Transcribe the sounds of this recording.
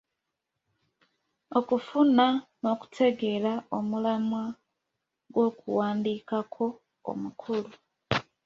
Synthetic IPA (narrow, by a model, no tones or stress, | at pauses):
o̞kufunano̞ku̥tʰe̞ɡe̞ɾaomulamwa | ɡwo̞ːkṵwaːndiːkakʰo̞ | o̰mukʰulu